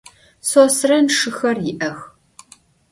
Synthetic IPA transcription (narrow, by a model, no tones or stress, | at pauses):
soːsrɐnʂɨxɐrjɪʔɐx